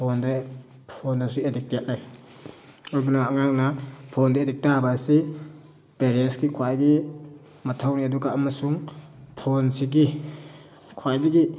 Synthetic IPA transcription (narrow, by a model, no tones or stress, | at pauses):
pʰɔnda | pʰondasiedik̚tjat̚laj | ɔjbunaaŋak̚napʰɔndaedik̚tabasi | peɾesɡikʰwajɡi | matʰawniaduɡaːmasuŋpʰonsiɡi | kʰwajdiɡi